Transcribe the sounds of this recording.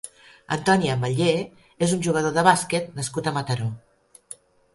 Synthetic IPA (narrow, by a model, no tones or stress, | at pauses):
ə̰nt̪ɔniəmbəʎe | ezunʲʒuɣ̞əð̞oðəβasket̪̚nəskut̪əmət̪əɾo